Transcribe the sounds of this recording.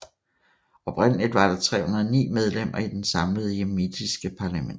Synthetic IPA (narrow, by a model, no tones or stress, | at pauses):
ɒ̽b̥ʰʁɛn̰əlid̥ʋɑ̈ɾ̥ɑ̈t͡sʰʁɛ̰ːhunɐð̞ˠnḭːmeð̞ˠlem̰ɐid̥ensɑ̈mləð̞ˠemid̥isɡ̥əpʰɑ̈læmen